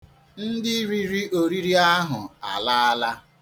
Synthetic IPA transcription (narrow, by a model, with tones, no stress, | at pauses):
n̩˦dɪ˦ɾi˦ɾi˦o˨ɾi˦ɾi˦a˦ɦʊ˨a̰˨la˦a˦la˦